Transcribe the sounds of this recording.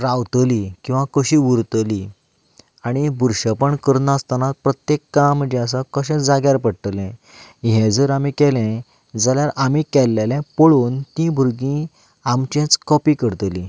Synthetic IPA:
ɾawt̪əlikĩw̃ʋãkəɕiʋuɾt̪əli | aɽ̃ibʱuɾɕəpəɳkəɾnaast̪anat̪̚pɾət̪jekːaməd͡ʑɛ̃əs̬akəɕɛ̃d͡zaɡjaɾpəɽʈ̪əlɛ̃ | ɦɛ̃d͡zəɾamikɛlɛ̃ | d͡zaljaɾʔamikɛlːɛlɛ̃pəɭoːnt̪ĩbʱuɾɡĩ | amt͡ɕɛ̃t͡skɔpikəɾt̪əli

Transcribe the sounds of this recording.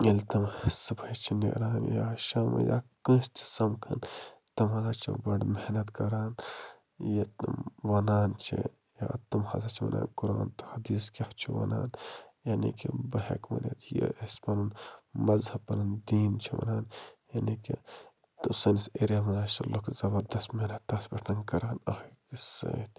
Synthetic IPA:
elt̪ɐmsɨbʰɐjt͡ʃʰinḛɾaːnjaʃaːmɐ̰ja̰ːkə̃ːst̪ʰi̥sɐmkʰɐnt̪ɐmɦɐlaːt͡ʃʰɐ̰bɐɖmehnɐt̪kɐɾaːn | jet̪ɨmʋɐnaːnt͡ʃʰḭ | jaːt̪ɐmhɐzɐt͡ʃʰiʋɐ̰na̰ːnkuɾaːnt̪ɨ̥hɐd̪iːskeht͡ʃʰiʋɐ̰na̰ːnjanḭkibɐɦḛkʋɐ̰nḛt̪ʰjḛespɐnunmɐzhɐpɐnɐnd̪iːnt͡ʃʰiʋɐ̰naːnjaniki | t̪usɐniseɾeʋɐnaːt͡ʃʰɐlokʰzɐbɐɾd̪ɐst̪mehnɐt̪ːɐsbɐʈʰnɐnkɐɾaːnɐhkisɐ̰ːt̪ʰ

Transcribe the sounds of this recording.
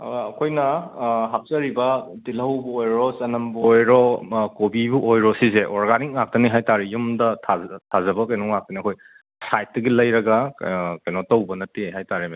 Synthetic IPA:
ɐkʰojnɐɦap̚zɐɾibɐtilɐwbuojɾɔsɐnɐmbuɔjɾɔkobibuʔojɾɔsizeʔɔɾɡanik̚ŋak̚tɐniɦajtaɾijumdɐtʰatʰazɐbɐkɐjnɔŋak̚tɐniɐkʰoj | sajt̚dɐɡilɐjɾɐɡakɐjnɔtɐwbɐnɐteɦajtaɾim

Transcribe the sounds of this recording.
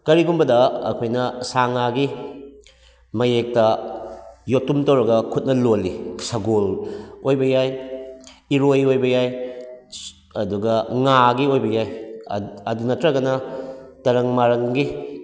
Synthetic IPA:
kɐɾiɡumbɐdɐɐ̰kʰojnɐsaŋaɡi | mɐjek̚tɐ | jotumtɐwɾɐɡɐkʰut̚nɐlolːisɐɡolojbɐjaj | iɾojojbɐjaj | ɐduɡɐŋaɡiojbɐjaj | ɐdunɐtɾɐɡɐnɐtɐɾɐŋmaɾɐŋɡi

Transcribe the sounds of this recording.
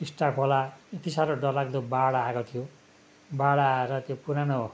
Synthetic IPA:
isʈapʰolaet̪isaɾoɖʌlaɡd̪obaɽaakot̪ʰijo | baɽaɾʌt̪jopuɾano

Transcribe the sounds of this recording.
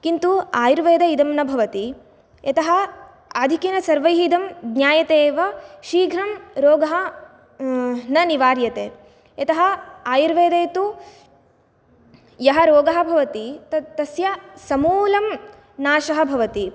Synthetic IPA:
kint̪uaːjiɾʋeːd̪ɐid̪ɐmnɐbʱɐʋɐt̪i | jɐt̪ɐɦɐ | aːd̪ʱikinɐsɐɾʋɐjɦiid̪ɐmɡnʲjaːjɐt̪eːʋɐʃiːɡʱɾɐmɾoːɡɐɦɐ | nɐniʋaːɾjɐt̪eː | ɐt̪ɐɦɐ̆aːjiɾʋeːd̪ɐjt̪u | jɐɦɐɾoːɡɐɦɐ̆bʱɐʋɐt̪it̪ɐt̪ɐsjɐsɐmuːlɐm | naːʃɐɦɐ̆bʱɐʋɐt̪i

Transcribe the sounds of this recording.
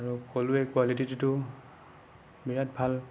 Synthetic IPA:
aɹukoluɛkwalititutʊ | biɹat̚bʱal

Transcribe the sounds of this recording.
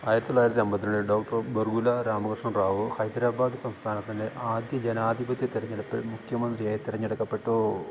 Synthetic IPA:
aːjiɾɐt̪ːilaːjiɾɐt̪ːiɐmbɐt̪ːinɐɳɖɨɖo̞ːkʈɐrberɡulɐɾaːmɐɡrʂɐnraːʋɨxɐjd̪ɾaːbaːd̪ɨsɐmst̪ʰaːnɐt̪ːɐndeʔaːd̪jɐd͡ʑenaːd̪ʱibɐt̪jɐt̪iɾɐɲːeɽɐpːemukʰjɐmɐnd̪rijaːjit̪iɾɐɲːeɽɐkːɐpːe̞ʈːoː

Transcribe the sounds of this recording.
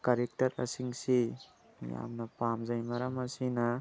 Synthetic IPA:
kaɾek̚tɐɾa̰siŋsi | ja̰mnɐpamzajmaɾamasina

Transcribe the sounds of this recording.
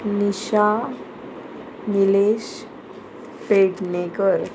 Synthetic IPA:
niɕa | nileɕ | peʈnekəɾ

